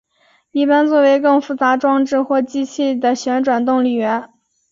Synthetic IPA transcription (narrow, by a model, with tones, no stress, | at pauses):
i˥˩pa˥nt͡swɔ˥˩we˧˥ɪkɤ˥˩ŋfu˧˥t͡sa˧˥ʈ͡ʂwɑ˥ŋʈ͡ʂɻ̩˥˧xwɔ˥˩t͡ɕi˥t͡ɕʰi˥˩d̪ə˩ɕɥɛ˧˥nʈ͡ʂwa˨˩nt̪ʊ˥˩ŋly˨˩ɥɛ˧˥n